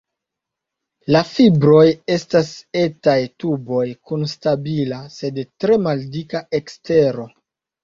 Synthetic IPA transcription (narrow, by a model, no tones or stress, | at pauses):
lafibɾo̞je̞stase̞tajtubo̞jkunstabilase̞dtɾe̞maldikaʔekste̞ɾo̞